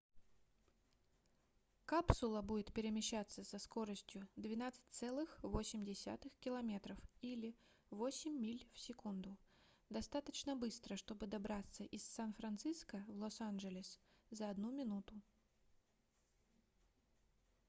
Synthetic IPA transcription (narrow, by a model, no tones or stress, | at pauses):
kapsʊlˠəbudʲɪt̪pʲɪɾʲɪmʲɪɕːat̪sːəsɐskoɾəsʲtʲjʊd̪vʲɪnat̪sɨ̥t̚ʲt̪sɛlˠɨxvosʲɪmʲdʲɪsʲa̰t̪ɨxkʲɪlˠɐmʲet̪ɾəfilʲɪ | vosʲɪmʲːilʲfsʲɪkund̪ʊ | d̪ɐst̪at̪ət͡ɕnəbɨst̪ɾəʂt̪o̞bɨd̪ɐbɾat̪sːəʔɪsːanfɾɐnt̪sɨskəvlˠosanʐɨlʲɪszəɐd̪numʲɪnut̪ʊ